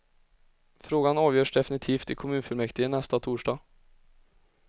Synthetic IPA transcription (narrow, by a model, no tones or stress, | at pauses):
fɾoːɡanɑːʋjøːʂɖ̪ɛfɪnɪt̪ʰiːft̪ɪkʰʊmʉːnfʏlmɛkt̪ɪənɛst̪ɑt̪ʰuːʂɖɑː